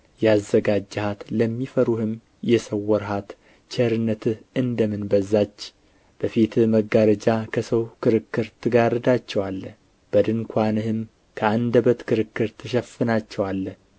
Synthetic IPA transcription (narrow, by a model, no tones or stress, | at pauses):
jɛazːəɡad͡ʒːhat̪ləmːifəɾuhɨm | jɛsəwːɔɾɦat̪ | t͡ʃʰəɾɨnːət̪ʰɨhɨnd̪əmɨnbəzːat͡ʃː | b̥əfit̪məɡaɾəd͡ʒakʰəsəwkʰɨɾɨkːɨɾt̪ʰɨɡaɾɨd̪at͡ʃːɛwalːə | b̥əd̪ɨŋkʷʰanɨhɨm | kʰəand̪əbət̪kʰɨɾɨkːɨɾt̪ʰɨʃ̬ɛfɨnat͡ʃːɛwalːə